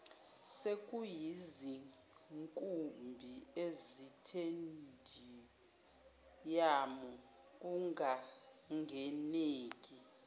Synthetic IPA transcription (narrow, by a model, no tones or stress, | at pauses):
sekʼujizi | ŋkʼumbʱiezitʰendʱi | jamɔ | k̬ʼuŋʱa | ŋɡʱɛneːkʼi